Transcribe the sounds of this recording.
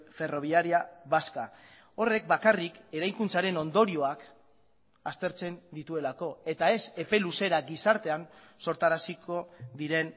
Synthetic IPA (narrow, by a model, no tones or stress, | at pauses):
fe̞ro̞β̞iaɾiaβaska | o̞re̞k̚bakarike̞ɾajŋkunt͡saɾe̞no̞nd̪o̞ɾio̞ak | ast̪e̞ɾt͡se̞nd̪it̪ue̞lako̞e̞t̪ae̞se̞pe̞luse̞ɾaɡisaɾt̪e̞an | so̞ɾt̪aɾasikʰo̞ðiɾe̞n